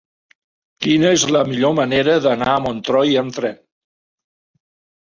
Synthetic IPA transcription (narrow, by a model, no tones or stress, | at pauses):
kinəezləmiʎoməneɾəðənaəmont̪ɾɔjənt̪ɾɛn